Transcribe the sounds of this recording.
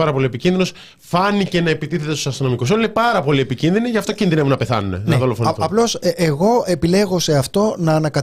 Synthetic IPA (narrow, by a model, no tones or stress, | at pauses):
ɐɾɐpo̞lie̞picinðinos | fɐnice̞nɐe̞pit̪iθe̞t̪esusɐst̪ɾono̞mikusolinepɐɾɐpo̞lie̞picinðiniʝɐft̪ocinðine̞vunɐpe̞θɐ̰nune̞nðo̞lofonθuɐplo̞seɣo̞e̞pile̞ɣo̞se̞ɐft̪o̞nɐːnɐkɐ